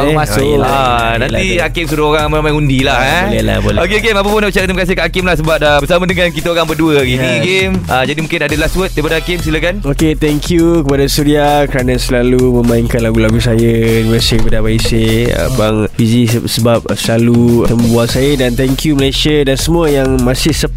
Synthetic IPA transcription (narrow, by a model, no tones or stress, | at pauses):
masʊaanãniakɪmsuɾaoɾaŋməamãŋundilahãlela̰bolokeokemapəpʊnabət͡ʃat̪iməkas̬ikaʔakɪmlahsəbap̚abəsamãdəŋãnkit̪aoɾaŋbəduəɡinĩɡeməd͡ʒadimũŋkɪnadəlaswət̪̚dajpadakɪmsilakanoket̪ɛŋkʰjukəpadasuɾiakəɾanãsəlalumə̃mãiŋkanlaɡulaɡusajəunivəsiikəpadabaiseə̰baŋfizisəbap̚səlalut̪əmbuaŋsajədant̪ɛŋkʰjuməlajsiadansəmũəjaŋmãsɪhsə